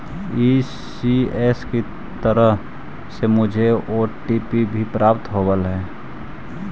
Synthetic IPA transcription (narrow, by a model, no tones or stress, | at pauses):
i | ieːski | t̪əɾəɦ | semʊd͡ʒʱeoːʈipibʱipɾaːpt̪ɦoːbəlɦɛː